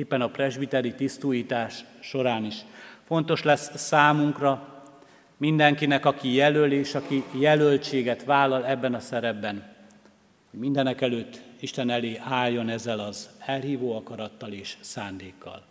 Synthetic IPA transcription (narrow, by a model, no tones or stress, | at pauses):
eːpːɛnɒprɛʒbit̪ɛɾit̪ist̪uːjiːt̪aːʃːo̞ɾaːniʃfo̞nt̪o̞ʃlɛsːaːmuŋkrɒ | mind̪ɛŋkinɛkɒkijɛløleːʃɒkijɛlølt͡ʃeːɡɛt̪ʋaːlːɒlɛbːɛnɒsɛɾɛbːɛn | ho̞ɟmind̪ɛnɛkɛløːt̪ːiʃt̪ɛnɛleːʔaːjjːo̞nɛzːɛlɒzɛlɦiːvoːɒkɒɾɒt̪ːɒleːʃsaːnd̪eːkːɒ̰l